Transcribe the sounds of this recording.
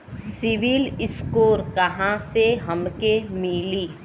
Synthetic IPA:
sɪʋiːlɪskoːɾkɐɦãseɦɐmkemiliː

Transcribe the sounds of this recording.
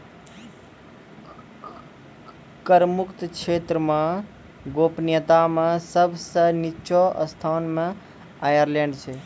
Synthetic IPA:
kəɾmʊkt̪kt͡ʃʰeːt̪ɾəmã | ɡoːpnjət̪amẽsəbʱsənit͡ʃʰɔə̰st̪ʰaːnmẽ | ajəɾlẽɳɖt͡ʃʰe

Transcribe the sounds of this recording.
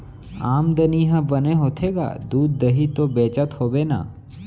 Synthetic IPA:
aːmd̪əniɦə̃bəneɦoːt̪ʰeːɡa̰ːd̪uːd̪̚ːəɦit̪obeːt͡ʃət̪hoːbeːna̰ː

